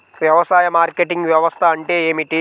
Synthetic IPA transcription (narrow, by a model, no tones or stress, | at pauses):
ʋjɐʋɐsaːjɐmaːɾkeʈiŋɡʋjɐʋɐst̪ʰɐːɳʈe̞ːeːmiʈi